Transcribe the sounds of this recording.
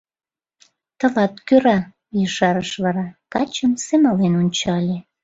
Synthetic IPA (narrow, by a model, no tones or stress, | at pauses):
t̪ə̆lɑt̪køɾɑ | jəʃɑɾəʃβɑɾɑkɑt͡ɕəmsemɑlenonʲt͡ɕɑlʲe